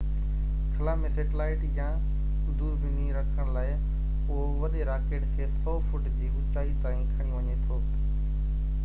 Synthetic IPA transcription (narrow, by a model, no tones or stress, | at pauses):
kʰɐlaːmẽseːʈɪlaːɪʈijã | ʊd̪ʱuːɾbɪnĩɾɐkʰəɽ̃laːɪ | poɦ | ʋɐɗeɾaːkeːʈkʰeːsɔːfʊʈd͡ʑiːʔʊt͡ɕaːit̪ãːĩkʰaːɽĩʋɐɲet̪ʰoː